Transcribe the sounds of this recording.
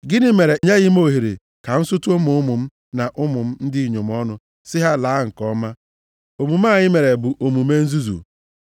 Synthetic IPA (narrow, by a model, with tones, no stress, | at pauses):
ɡɪ˦nɪ˦me˨ɾe˨ɲe˦ɣɪ˦m˦o˦˨ɦi˨ɾḛ˨ | ka˨n̩˦sʊ˦tʊ˦mʊ˦ʊ˦mʊ˨m̩˦ | na˨ʔʊ˦mʊ˨m̩˦n̩˦dɪ˦i˨ɲo˨m˦ɔ˦nʊ˦ | sɪ˦ɦa˦laː˨˦ŋ̩˨kɔ˦ma˦ | o˨mu˨ma˦˨ɲɪ˦me˨ɾe˨bʊ˨ʔo˨mu˨me˦n̩˦zu˦zṵ˨